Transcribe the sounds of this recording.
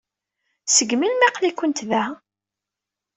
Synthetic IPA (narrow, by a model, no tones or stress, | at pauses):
səɡmilmæqlikʷənt̪ðæ